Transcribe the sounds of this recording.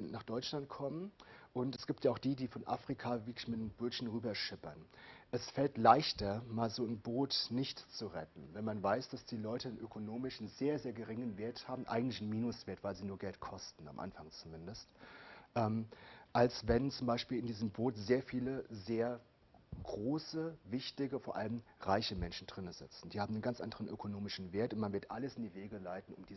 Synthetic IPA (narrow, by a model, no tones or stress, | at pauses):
naːχd̥ɔʏt͡ʃlant̚kʰɔmənʔʊntɛsɡ̥iːp̚tjaʊχd̥iːdiːfɔnʔa̰ːfʁ̥ikʰavɪɐklɪçmɪtb̥ʊlçn̩ʁyːbɐʃɪpɐnʔɛsfɛltlaɪçtɐmaːlzoːɪnboːtnɪçtt͡suʁɛtn̩vɛnmanvaɪsd̥asd̥iːlɔʏtənʔøkʰonoːmɪʃn̩zeːɐzeːɐɡəʁɪŋənveːɐthaːbm̩ʔa̰ɪɡŋ̩tlɪçn̩miːnʊsv̥eːɐtv̥aɪlziːnuːɐɡɛltkʰɔstn̩a̰mʔa̰nfaŋt͡sumɪndəstʔɛːmʔalsvɛnt͡sʊmbaɪʃpiːlɪndiːzəmboːtz̥eːɐfiːləzeːɐ | ɡ̥ʁoːsəvɪçtɪɡəfoːɐʔaləmʁaɪçəmɛnʃn̩dʁɪnəzɪt͡sn̩d̥iːhaːmnənɡant͡sʔa̰ndəʁənʔøkʰonoːmɪʃn̩veːɐtʊntmanvɪɐtʔaləsɪndiːveːɡəlaɪtn̩ʊ̰md̥iː